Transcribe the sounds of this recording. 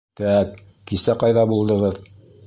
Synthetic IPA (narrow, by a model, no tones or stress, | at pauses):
t̪æk | kisæqɑjðɑbulˠd̪ɤ̆ʁɤð